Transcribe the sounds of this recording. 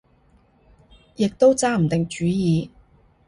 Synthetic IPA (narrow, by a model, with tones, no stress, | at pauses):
jɪ˨k̚t̪o˥wt͡saː˥m̩˨˩t̪ɪ˨ŋt͡ʃyː˨˥jiː˨˧